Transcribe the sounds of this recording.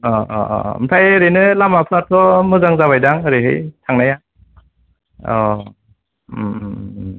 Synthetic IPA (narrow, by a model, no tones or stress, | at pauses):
ɔ̰ɯmtʰajɾɯnɯlamapʰɯatʰɔmɯzaŋzaβajdaŋɯɾeɦɯjtʰaŋnaja | ɔ